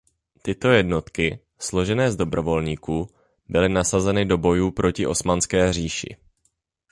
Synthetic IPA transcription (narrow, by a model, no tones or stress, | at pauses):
t̪ɪt̪o̞jɛdno̞t̪kɪ | slo̞ʒɛnɛːzdo̞bɾo̞vo̞lɲiːkuː | bɪlɪnasazɛnɪdo̞bo̞juːpɾʔo̞cɪʔo̞smanskɛːr̝iːʃɪ̰